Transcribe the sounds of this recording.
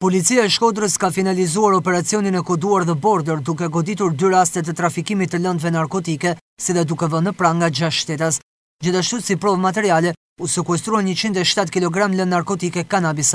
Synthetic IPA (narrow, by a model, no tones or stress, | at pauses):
pɔlit͡siaɛʃkɔd̪ɾəskafinalizuaɾɔpɛɾat͡siɔninɛkɔd̪uaɾðɛbɔɾd̪əɾd̪uk̬ɛɡɔd̪it̪uɾd̪yɾast̪ɛt̪̬ət̪ɾafikimit̪ːələnd̪vɛnaɾkɔt̪ikɛ | siðɛd̪ukɛvənəpɾaŋɡad͡ʑaʃʃt̪ɛt̪as | d͡ʑiθaʃt̪usipɾɔvmat̪ɛɾialɛ | usəkuɛst̪ɾuanɲət͡ɕind̪ɛʃt̪at̪kilɔɡɾamlənnaɾkɔt̪ikɛkanabis